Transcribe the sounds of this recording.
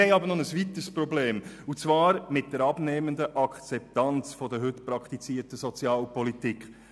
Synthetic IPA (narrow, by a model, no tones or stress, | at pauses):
ɛɪɑbəɾnɔnəsvit̪əspɾɔbleːm | ut͡svɑːɾmɪt̚d̥əɾɑb̥neːməndəʔɑkʰt͡sɛp̚tɑnt͡sfɔd̪əɦʏtpɾɑkχt̪it͡siːtəsɔt͡sjɑːlpɔlitikχ